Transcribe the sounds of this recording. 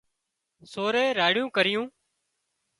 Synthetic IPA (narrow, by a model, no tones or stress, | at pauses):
soːɾeːɾaːɽɪjũːkəɾɪjũː